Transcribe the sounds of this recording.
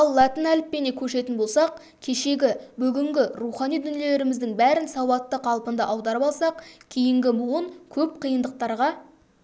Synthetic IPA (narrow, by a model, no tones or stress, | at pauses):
ɑlˠːɑt̪ənælɪppːe̞ne̞kʲʰɵʃe̞t̪ɪnbo̞lˠsɑq̚ | kʲʰe̞ʃe̞ɡʲɪbʏɡʲɪŋɡʲɪɾuχɑnijd̪ʏnele̞ɾɪmɪzd̪ɪŋbæɾɪnsɑwɑt̪ːəqʰɑlˠpənd̪ɑʔɑwd̪ɑɾəpɑlˠsɑqkʲʰejɪŋɡʲɪmʊwəɴkʲʰɵp̚qʰijənd̪əq̚t̪ɑɾʁɑ